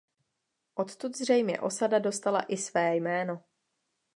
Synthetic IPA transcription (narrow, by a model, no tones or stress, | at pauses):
ʔo̞t̪t̪ut̪zr̝ɛjmɲɛ̰ʔo̞sadado̞st̪ala̰ʔɪsvɛːjmɛːno̞